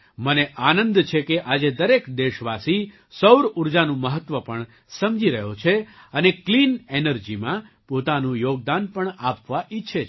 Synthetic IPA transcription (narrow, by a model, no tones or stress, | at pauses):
məneʔanənd̪t͡ʃʰekeʔad͡ʒed̪əɾekd̪eʃʋasi | səwɾuɾd͡ʒanũməɦət̪ʋəpəɳ | səmd͡ʒiɾəɦot͡ʃʰeəneklinenəɾd͡ʒimã | pot̪anũjoɡ̚d̪anpəɳapʋaʔitːʃʰe